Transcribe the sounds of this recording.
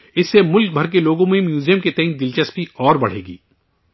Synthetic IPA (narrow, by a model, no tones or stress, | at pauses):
ɪsːemʊlk̚bʱɐɾkeloːɡõmẽmjuːzijəmket̪ɛɦɪ̃nd̪ɪlt͡ʃəspiɔːɾbɐɽ̤ḛːɡḭː